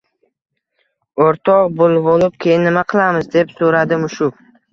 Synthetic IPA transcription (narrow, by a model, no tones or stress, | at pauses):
oɾt̪ʰɒqbʊlˠbolɪp̚kʲʰejɪnːɪmaqʰɨlˠamɪzd̪e̞psoɾad̪ɪmʊʃʊ